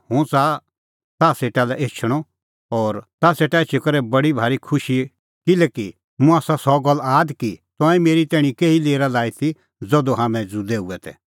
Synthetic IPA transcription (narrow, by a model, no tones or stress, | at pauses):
hũːt͡sa | t̪aːseːʈalɛʔeːt͡ʃʰəɽ̃ɔ | ɔːɾt̪aseːʈaet͡ʃʰekɐɾɛbɐɽibʱaːɾikʰʊʃi | kɪlɛki | mũaːsasɔɡɐlːaːd̪kit̪ɔ̃ːɛ̃meːɾit̪ɛːɽ̃ĩkeːileːɾalaːit̪ʰi | d͡zɔd̪oɦaːmɛ̃d͡zud̪eːuɛt̪ɛ̰